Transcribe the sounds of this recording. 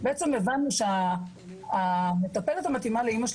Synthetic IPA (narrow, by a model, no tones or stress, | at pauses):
beet͡semevanːuʃeaː | me̞t̪ape̞let̪hamat̪imaleimaʃ